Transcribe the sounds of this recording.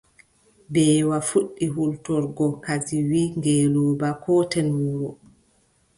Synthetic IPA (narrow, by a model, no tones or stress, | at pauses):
bɛːwafuɗːiɦultɔɾɡɔkaziwiŋɡɛːlɔːbakʰɔtɛnwuːɾɔ